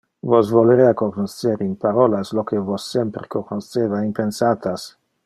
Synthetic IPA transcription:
vosvoleɾeakoknoseɾinpaɾolaslokevosːempɾekoknosevaimpensat̪as

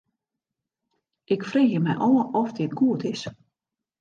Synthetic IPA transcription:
ʔɪkfreːxjəmɛjʔɔːəɔfdɪtɡuətɪs

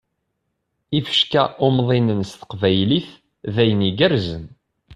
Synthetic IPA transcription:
ifə̥ʃkæʔʊmðˤinənst̪ə̥qvæjliθ | ðæjəniɡəɾzən

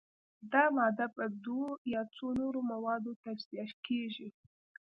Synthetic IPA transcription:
d̪ɑmɑd̪apəd̪wojɑt͡sonoɾomawɑd̪ot̪ad͡ʒzijɑʃkʰeʒi

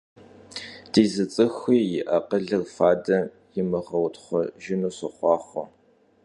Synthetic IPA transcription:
d̥iːzɨt͡sʼɨxʷiːjɪʔɐqəɮɨrfaːdɐ | jɪmɨʁɐwtχʷɔʒɪnuːɕɨχʷɑːχʷɔ

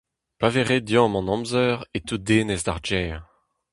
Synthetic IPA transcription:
paveʁed̪jɔ̃ːmɑ̃nɑ̃mzœʁet̪ud̪eːnɛzd̪aʁd͡ʒɛːʁ

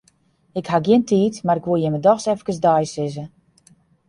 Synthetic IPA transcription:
ɪkhaɡjɪəntʰiːtmaɾɪkʋojɪmədɔxsɛfəkəsdajsɪzə

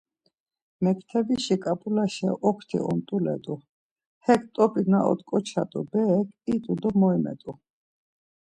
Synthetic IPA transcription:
mɛkʰt̪ʰɛbiʃikʼapʼulaʃɛʔɔkʰt̪ʰḭɔ̰nt̪ʼulɛ̰t̪ʼu | hɛkʰt̪ʼɔpʼinaʔɔ̰t̪kʼɔt͡ʃʰa̰t̪ʼṵbɛːkʰit̪ʼud̪ɔmɔimɛ̰t̪ʼu

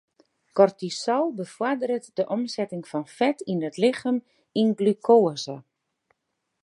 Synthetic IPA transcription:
kɔrtisɔwbəfwɔdəɾətdəʔɔmsɛtɪŋfɔnfɛtinətlɪxəm | inɡlykʰoːəzə

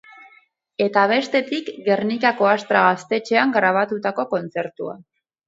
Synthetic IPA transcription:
e̞t̪aβ̞e̞st̪e̞t̪ikɡe̞rnikako̞ast̪ɾaɣast̪e̞t͡ʃe̞aŋɡɾaβ̞at̪ut̪ako̞ko̞nt͡se̞ɾt̪ua̰

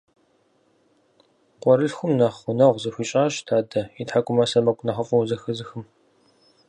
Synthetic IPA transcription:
qʷɔɾɨɬxʷʊmnɐχʊnɐʁʷzɐxʷiːt͡ʃʼaːɕdʰaːdɐitħakʷʼʊmɐsɐmɐkʷʼʊnɐχɐfʼɐwzɐxɨzɨxɨm

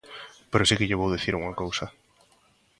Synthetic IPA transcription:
peɾosikɪʎeβ̞owðiθiɾuŋakowsɐ

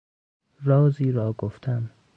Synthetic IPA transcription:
ɾɒːziːɾɒːɡoft̪ʰan

